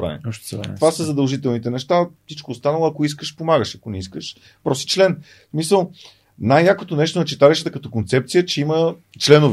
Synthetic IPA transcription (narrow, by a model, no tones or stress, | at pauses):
ɾa̰vḭʃt̪ovasəzɐd̪ɐlˠʒit̪ɛlˠnit̪ɛnɛʃt̪afsit͡ʃkoːst̪anəlˠoɐkois̬kəʃpomaɡəʃɐkonɛiskəʃ | pɾɔsi̥t͡ʃlɛn | smisəlˠ | najjakot̪onɛʃt̪onɐt͡ʃit̪aliʃət̪əkɐt̪ɔkont̪sɛp̚t̪sijət͡ʃɛimə | t͡ʃlɛnov